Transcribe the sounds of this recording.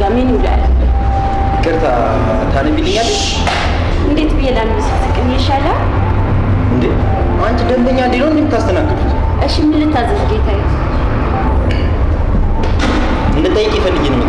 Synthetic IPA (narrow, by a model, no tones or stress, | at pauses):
ameɲula̰llːə | kʼəɾt̪ʰa | t̪ʰanəmbinːɨɲːalːəɲ | ʔɨnd̪e̞t̪bɨjɛlanmɨsasəkʼɨnjɛʃalə | ɨnd̪e | ant͡ʃd̪əmd̪əɲːand̪enːəwnd̪emːɨt̪ːast̪ʰənakːəfut̪ | ʔɨʃimːɨlɨt̪ʰːazəzɡet̪ʰajɛ | ɨnd̪ət̪ʼəjːɪkʼifəlːɨɡenə